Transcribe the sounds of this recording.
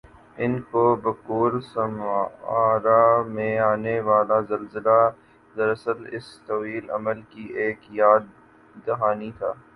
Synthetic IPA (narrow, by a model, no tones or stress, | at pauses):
ɪnkobɐkuːɾsɐmaːɾamẽaːneʋaːlazɐlzəla | d̪ɐɾɐsəlɪ̰st̪ɐwiːlɐ̰məlkieːkjaːd̪̚ː | ɐɦaːnit̪ʰa̰ː